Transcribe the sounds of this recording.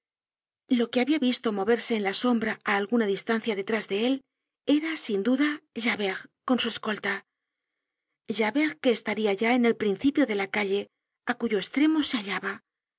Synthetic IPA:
lo̞ke̞aβiaβist̪o̞mo̞βe̞ɾse̞ːnlaso̞mbɾaaːlɣunaðist̪anθjaðe̞t̪ɾazðe̞e̞l | e̞ɾasind̪uðaʒaβeɣko̞nsue̞sko̞lt̪a | ʒaβeɣke̞ːst̪aɾiaʝae̞ne̞lpɾinθipjo̞ðe̞lakaʎe̞ | akuʝo̞est̪ɾe̞mose̞aʎaβa

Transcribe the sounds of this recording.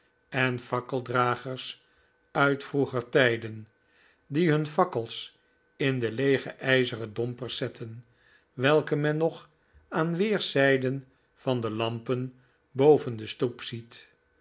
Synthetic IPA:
ɛnfɑkəlˠdraːχəɹs | œɥtfruχəɹtɛjdən | diɦɵnfɑkəlˠs | ɪndəlejχəʔɛjzərədɔmpəɹsɛtʰən | ʋɛlˠkəmɛnːɔχ | aːnʋɪːɹsɛjdən | vɑndəlɑmpən | bowvəndəstupsit

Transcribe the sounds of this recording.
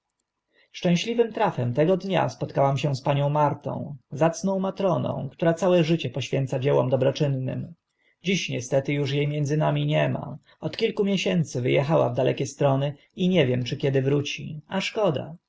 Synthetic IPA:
ʂt͡ʂɛ̃w̃ɕlʲivɘmt̪ɾafɛmt̪ɛɡɔd̪ɲa̰spɔt̪kawamɕɛ̃spaɲɔ̃w̃maɾt̪ɔ̰̃w̃zat̪snɔ̃w̃mat̪ɾɔnɔ̰̃w̃kt̪uɾat̪sawɛʐɘt͡ɕɛpɔɕfʲjɛnt̪sad͡ʑɛwɔ̰md̪ɔbɾɔt͡ʂɘnːɘ̰m | d͡ʑiɕɲɛst̪ɛt̪ɘjuʂjejmʲjɛnd̪zɘnamʲiɲɛma̰ | ɔt̪kʲilkumʲjɛɕɛnt̪sɘvɘjɛxawa̰vd̪alʔɛ̰kʲɛst̪ɾɔnɘ | iɲɛvʲjɛmt͡ʂɘkʲjɛd̪ɘvɾut͡ɕiaʂkɔd̪a̰

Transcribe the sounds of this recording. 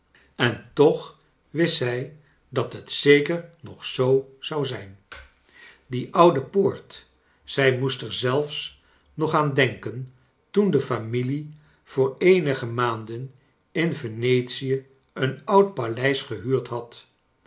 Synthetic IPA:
ɛntɔχ | ʋɪsɛj | dɑtɦətsejkəɹnɔχsowz̥ɑwzɛjn | diʔʌwdəpoːɹt | z̥ɛjmustɛɹzɛlˠfs | nɔχaːndɛŋkən | tundəfamili | v̥ʊːɹejnəχəmaːndən | ɪnvenejtsijə | ənʌwt̚palɛjsχəɦyːɹtɦɑt

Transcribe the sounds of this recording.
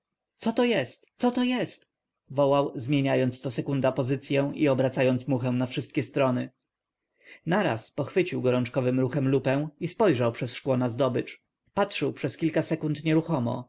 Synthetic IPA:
t̪sɔt̪ɔjɛst̪sɔt̪ɔjɛst̪ | vɔwawzmʲjeɲajɔnt̪st̪ɔsɛkund̪apɔzɘt̪sʲjɛw̃ʔiɔbɾat̪sajɔnt̪smuxɛw̃nafʂɘst̪̚kʲɛst̪ɾɔnɘ | naɾa̰spɔxfɘt͡ɕiwɡɔɾɔnt͡ʂkɔvɘmɾuxɛmlupɛw̃ispɔjʐawpʂɛsʂkwɔnazd̪ɔbɘt͡ʂ | patʂɘwpʂɛskʲilkasɛkunt̪ɲɛɾuxɔmɔ̰

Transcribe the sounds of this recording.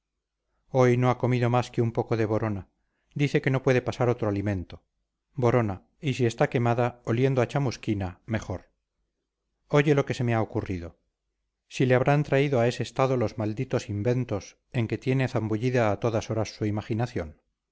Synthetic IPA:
o̞jno̞ako̞miðo̞maskeumpo̞ko̞ðe̞β̞o̞ɾo̞na | d̪iθe̞ke̞no̞pwe̞ðe̞pasaɾo̞t̪ɾoalimẽ̞nt̪o̞ | bo̞ɾo̞na | isie̞st̪ake̞maðaolje̞nd̪oat͡ʃamuskiname̞χo̞ɾ | o̞ʝe̞lo̞ke̞se̞me̞aokuriðo̞ | sile̞aβɾant̪ɾaiðoae̞se̞ːst̪aðo̞lo̞zmald̪it̪o̞simbe̞nt̪o̞s | e̞ŋke̞t̪je̞neθambuʎiðaːt̪o̞ðaso̞ɾasːuimaχinaθjo̞n

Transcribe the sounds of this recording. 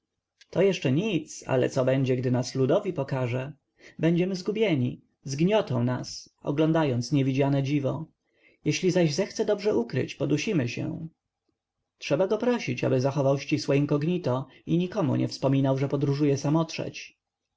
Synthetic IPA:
t̪ɔjɛʂt͡ʂɛɲit̪sa̰lɛ̰t̪sɔbɛɲd͡ʑɛɡd̪ɘnaslud̪ɔvʲipɔkaʐɛ | bɛɲd͡ʑɛmɘzɡubʲjɛɲi | zɡɲɔt̪ɔ̃w̃nas | ɔ̰ɡlɔ̃nd̪ajɔnt̪sɲɛvʲid͡ʑanɛd͡ʑivɔ | jɛɕlʲizaʑzɛxt̪sɛd̪ɔbʐɛʔukɾɘ̰t͡ɕpɔd̪uɕimɘɕɛ̰ | tʂɛbaɡɔpɾɔɕit͡ɕa̰bɘzaxɔvawɕt͡ɕiswɔiŋkɔɡɲit̪ɔ | iɲikɔmṵɲʔɛ̰fspɔmʲinawʐɛpɔd̪ɾuʐujɛsamɔtʂɛ̰t͡ɕ

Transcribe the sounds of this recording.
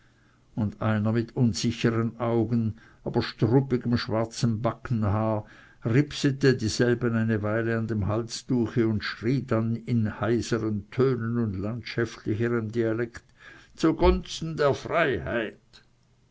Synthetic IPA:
ʊnda̰ɪnɐmɪtʰʊnzɪçəʁənʔaʊɡən | ʔaːb̥ɐʃtʁʊpɪɡəmʃv̥aɐt͡səmbakn̩haːɐ | ʁɪpsətədiːzɛlbənaɪnəvaɪləandeːmɦalsd̥uːxəʊndʃʁiːdanɪnhaɪsəʁəntʰøːnənʊndlantʃaftʰlɪçəʁəmdialɛktt͡suɡ̥ɔnt͡stn̩deːɐfʁaɪha̰ɪt

